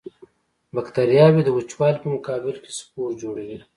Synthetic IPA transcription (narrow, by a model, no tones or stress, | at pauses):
bakt̪aɾijɑwed̪əwʊt͡ʃwɑlpəmʊkɑːbɪlke̥spoɾd͡ʒoɽeɡi